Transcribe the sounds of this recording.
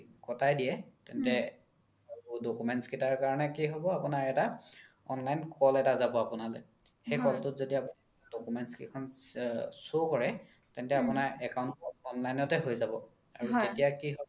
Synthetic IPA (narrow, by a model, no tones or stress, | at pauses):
kɔtajdijɛtɛntɛ | audokumɛntskitaɹkaɹɔnɛkiɦobɔapunaɹɛta | ɔnlajnkɔlɛtazabɔapʊnalo̰ | xejkɔltʊtzodiapuni | adokumɛntskikʰɔn | sokɔɹɛ | tɛntɛapʊnaɹɛkaʊntɔnlajnɔtɛɦojzabɔ | a̰ɹuetijakiɦo